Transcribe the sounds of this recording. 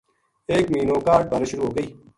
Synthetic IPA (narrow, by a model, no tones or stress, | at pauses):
eːkmiːnoːkaːʈ̚pəɾʃʊɾuːɦoːɡəiː